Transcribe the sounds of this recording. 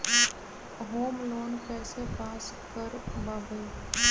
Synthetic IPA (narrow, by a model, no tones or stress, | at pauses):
ɦoːmloːnpɛːsepaːs | kəɾbaːbəi